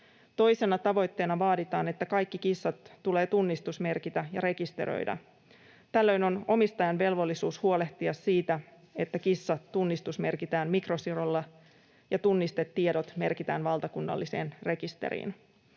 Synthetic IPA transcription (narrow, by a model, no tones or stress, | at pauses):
t̪o̞jse̞nɑt̪ɑʋo̞jt̪ːe̞ːnɑʋɑːdit̪ɑːne̞t̪ːækɑjkːikisːɑt̪ːule̞ːt̪unːist̪usme̞rkit̪æjɑɾe̞kist̪e̞̰ɾo̰jdɑ̰ | t̪ælːø̞jno̞no̞mist̪ɑjɑnʋe̞lʋo̞lːisuːshuo̞le̞ht̪iɑsːiːt̪æ | e̞t̪ːækisːɑt̪tːunːist̪usme̞rkit̪æːmmikro̞sirolːɑ | jɑt̪unːist̪e̞t̪ːiedo̞t̪me̞rkit̪æːnʋɑlt̪ɑkunːɑ̰lːise̞ːnre̞kist̪ḛɾḭːn